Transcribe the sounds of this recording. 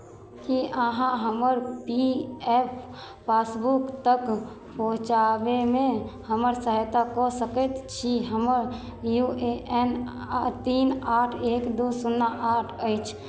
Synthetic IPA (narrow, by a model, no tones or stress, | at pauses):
kiʔəɦãɦəməɾpiepʰ | pasbukt̪ək | poɦt͡ʃabemẽhəməɾsəɦjt̪akɔsəkət̪t͡ʃʰiɦəməɾ | jueʔen | t̪inaʈʰekd̪osunːaʔaʈʰəɪt͡ʃʰ